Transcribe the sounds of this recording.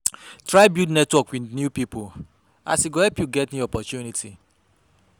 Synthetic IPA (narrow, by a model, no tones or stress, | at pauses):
tɾaɪbjudnɛtwɔkwinjupipʰo | a̰siɡohɛpjuɡɛtnĩɔpɔtjunitʰi